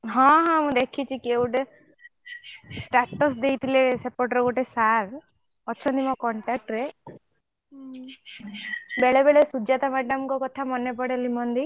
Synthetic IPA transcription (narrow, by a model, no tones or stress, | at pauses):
ɦɔ̃ɦɔ̃mũd̪ekʰit͡ʃʰikewʈe | sʈaɾʈɔs̬d̪ejt̪ʰilesepɔʈɾɡoʈesaɾ | ɔːt͡ʃʰɔnd̪imɔkɔɳʈak̚ʈɾe | beɭebeɭesud͡ʒat̪amaɖɔmkɔkɔt̪ʰamɔnepɔɽelimɔnd̪i